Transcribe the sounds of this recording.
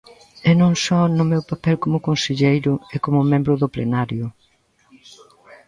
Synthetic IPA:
ɛnõŋsɔnʊmewpapɛlkomʊkonseʎejɾʊekomʊmẽmbɾʊðʊplḛnaɾjʊ

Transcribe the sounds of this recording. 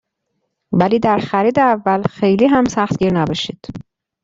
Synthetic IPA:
væliːd̪æɾxæɾiːd̪eævːælxe̞jliːɦæmsæxt̪ɡiːɾnæbɒːʃiːd̪̥

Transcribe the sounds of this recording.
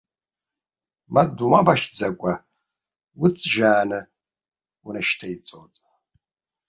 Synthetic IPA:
madumabaʃd͡zakʷʼa | wʊt͡sʼʒaːnɨ | unaʃtʰait͡sʼotʼ

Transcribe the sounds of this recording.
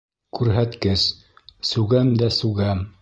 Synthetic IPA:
kʉɾɦæt̪kɘs | sʉɡæmd̪æsʉɡæm

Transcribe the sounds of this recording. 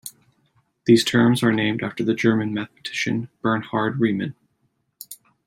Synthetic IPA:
ðiz̥tʰɜ̃˞mzə˞nẽɪ̃mdæftə˞ðɨd͡ʒɜ˞mɨ̃nmæθpə̥tʰɪ̥ʃɨ̰̃nb̥ɜ̃˞nhɑɹd̚ɹimɨ̰̃n

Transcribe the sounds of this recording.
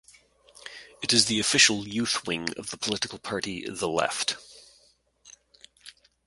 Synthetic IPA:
ɨɾɨzðiɨfɪʃl̩ˠjʉθwɪ̃ŋʌ̰vðəpʰəlɪɾɨkl̩ˠpʰɑɹɾiðəlɛ̰ft

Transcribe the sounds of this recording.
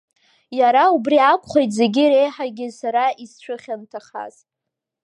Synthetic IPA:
jaɾaubriakʷʼχejtʰʼze̞ɡʲɪɾe̞jħaɡʲɪsaɾaist͡ʃʷʰɨχʲantʰaχa̰z̥

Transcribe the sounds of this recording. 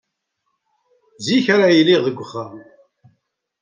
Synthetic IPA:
ziçaɾajilːiʁðəɡʷːəχːam

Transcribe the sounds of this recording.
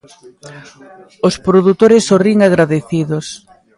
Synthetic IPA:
ospɾoðut̪oɾɪsːoriŋaɣɾaðeθiðos

